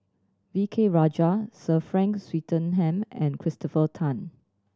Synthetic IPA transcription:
vikʰeɹad͡ʒasəfɹɛ̃ŋkswitə̃nɦɛ̃mɛ̰̃nkʰɹɪstɔfətʰãn

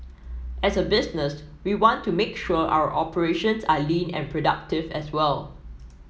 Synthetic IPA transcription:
ʔɛsəbɪsnəs | wiwɔ̃ntʰːumekʃuəʔa̰wə̰ʔɔpəɹeʃə̃nsalĩnɛ̰̃npʰɹodak̚tɪvɛswɛl

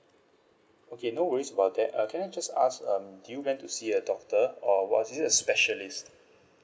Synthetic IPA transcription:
okʰenowəɹisəbawt̚dɛt̚kʰɛ̃naɪd͡ʒasa̰skʌ̃mdujuwɛ̃ntusiədɔk̚təɔwɔ̰tizəspɛʃəlist

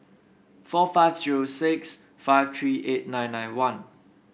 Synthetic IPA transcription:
fɔfaɪvziɹosɪks | faɪv̥t̪ʰɹiːʔet̚nãɪ̃nːãɪnwãn

